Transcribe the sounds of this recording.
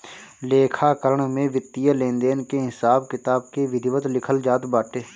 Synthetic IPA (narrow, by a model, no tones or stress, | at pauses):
leːkʰaːkəɾəɳmẽʋɪt̪ːijəlẽːnd̪eːnkeɦɪsaːbkɪt̪aːb̚keʋɪd̪ʱɪʋət̪lɪkʰəld͡ʒaːt̪baːʈeː